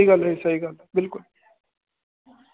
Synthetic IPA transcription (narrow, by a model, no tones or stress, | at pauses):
iɡɐlɦɛisɐɦiɡɐlbɪlkʊl